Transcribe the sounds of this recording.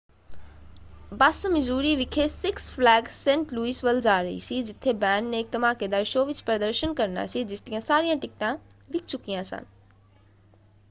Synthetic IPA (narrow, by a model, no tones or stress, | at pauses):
basmɪzuːɾiʋɪkʰesɪksflɛːɡsẽːɳʈluisʋəld͡ʒaːɾɐɦḭsid͡ʒɪt̪ʰːebɛːnɖneːk̚t̪ɐmãːked̪aːɾʃoːʋɪt͡ʃpɾəd̪əɾʃənkɐɾna̰sid͡ʒɪst̪ijãsaːɾijãʈɪktã | ʋɪkʰt͡ʃukijãsə̰n